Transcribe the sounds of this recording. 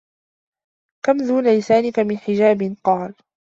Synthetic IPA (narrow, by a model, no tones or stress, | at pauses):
kamðuːnalɪsaːnɪkamɪnħɪd͡ʒaːbɪnqɑːl